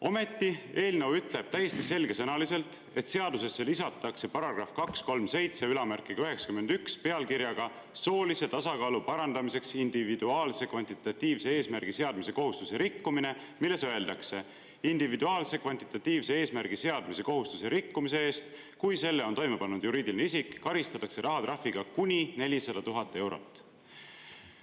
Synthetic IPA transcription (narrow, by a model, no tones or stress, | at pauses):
o̞me̞t̪ˑːie̞ːlnewyt̪ˑle̞b̥̚t̪æjːe̞st̪ise̞lɡ̥e̞sɤnɑlise̞lt̪ˑ | e̞t̪se̞ɑd̪use̞sːe̞lisɑt̪ːˑɑkse̞pɑɾɑɡ̥rɑfkɑksko̞lmse̞jt̪se̞ylɑmærkːˑiɡ̥ɑyɦe̞ksɑ̥kymːe̞nd̪̥ykspe̞ɑlkiɾjɑɡ̥ɑ | so̞ːlise̞t̪ɑsɑkɑːlupɑɾɑnd̪ɑmise̞ksind̪̥ivid̪uɑːlse̞kvɑnʲt̪it̪ːˑɑt̪ʲːiːvse̞e̞ːsmærɡ̥ise̞ɑd̪mise̞ko̞ɦust̪use̞ɾikːumine̞ | milːe̞søe̞ld̪̥ɑkse̞ | ind̪̥ivid̪uɑːlse̞kvɑnʲt̪it̪ːˑɑt̪ːiːvsee̞ːsmærɡ̥ise̞ɑd̪̥mise̞ko̞ɦust̪use̞ɾikːumise̞e̞ːst̪ | kujse̞lːe̞o̞nt̪o̞jme̞pɑnːud̪̥juɾiːd̪ilineisikːɑɾist̪ɑt̪ːˑɑkse̞ɾʔɑɦɑt̪rɑfiɡ̥ɑkunʲine̞lʲisɑd̪̥ɑt̪uɦɑt̪ːe̞wɾo̞̰t̪ːˑ